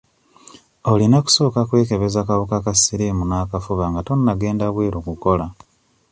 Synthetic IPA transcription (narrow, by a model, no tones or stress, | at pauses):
olinaku̥so̞ːkakwe̞ːke̞βe̞zakawukakasiɾimunaːkafuβaŋɡato̞nːaɡe̞ːndaβweːɾokuko̞la